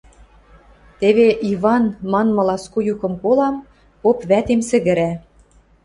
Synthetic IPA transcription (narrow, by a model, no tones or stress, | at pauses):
t̪eβeʔiβɑnmɑnmɤ̆lɑskujukɤ̆mkolɑm | popβæt̪emsɘ̆ɣɘ̆ɾæ